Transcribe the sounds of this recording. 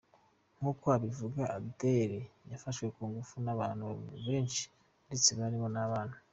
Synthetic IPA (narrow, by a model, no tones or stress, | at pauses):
ŋ̥uːkoaβivuɡaʔabdeɾejafaʃwe̞kuːŋɡufunaβaːn̥huβe̞ːnʃi̥ | ndet͡seβaɾimonaβaːn̥hu